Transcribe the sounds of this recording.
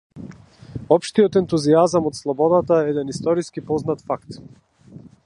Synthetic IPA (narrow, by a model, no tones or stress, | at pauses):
ɔpʃt̪ijɔt̪ɛnt̪uziazamɔt̪slˠɔbɔd̪at̪aɛɛd̪ɛnist̪ɔɾiskipɔznat̪fakt̪